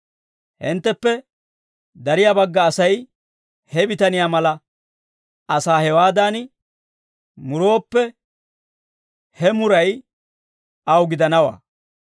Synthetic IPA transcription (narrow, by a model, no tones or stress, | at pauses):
hɪ̰nt̪ːɛpːɛ | d̪ɐɾɪjabɐɡːɐːsɐj | hɛbɪt̪ɐnɪjaːmɐlɐ | ɐsaːhɛwaːd̪aːn | mʊɾoːpːɛ | hɛmʊɾɐj | ɐwɡɪd̪ɐnɐwa̰ː